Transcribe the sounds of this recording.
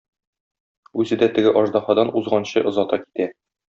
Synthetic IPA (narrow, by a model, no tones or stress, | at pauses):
ʉzɘ̆d̪æt̪ɘ̆ɡɘʔɒʒd̪ɑhɑd̪ɑnuzʁɑnɕɤʔŏzɒt̪ɑki̥t̪æ